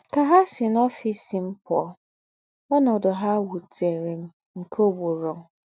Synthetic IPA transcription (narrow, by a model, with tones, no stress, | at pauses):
ka˨ɦa˦sɪ˨nɔ˦fi˨sɪ˨m̩˦pɔ˨˦ | ɔ˦nɔ˨dɔ˨ɦa˦wu˨te˨ɾe˨m̩˦ | ŋ̩˨kʰo˦bo˨ɾɔ˨ŋ̩˦